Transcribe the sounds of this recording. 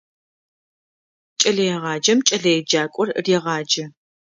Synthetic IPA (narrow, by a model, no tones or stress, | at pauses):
t͡ʃʼɐɮɐjɛʁɑːd͡ʒɐmt͡ʃʼɐɮɐjɛd͡ʒaːkʷʼɔrrjɛʁɑːd͡ʒɐ